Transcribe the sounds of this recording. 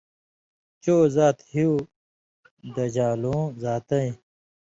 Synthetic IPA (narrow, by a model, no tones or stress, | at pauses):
t͡ɕoːzaːt̪hiu | d̪ɐd͡ʑaːlõːzaːt̪ɐĩ